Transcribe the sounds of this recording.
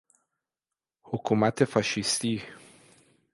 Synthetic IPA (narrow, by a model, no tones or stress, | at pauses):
hokʰumæt̪ʰefaʃist̪iː